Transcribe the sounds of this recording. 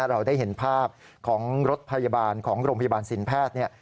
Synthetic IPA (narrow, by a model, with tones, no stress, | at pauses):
ɾa˧wdaː˥˩jɦe˩˦npʰaː˥˩p̚ | kʰɔː˩˦ŋɾo˦˥t̪̚pʰa˧ja˧baː˧nkʰɔː˩˦ŋɾoː˧ŋpʰa˧ja˧baː˧nsi˩˦npʰɛː˥˩t̪̚ni˥˩ɐ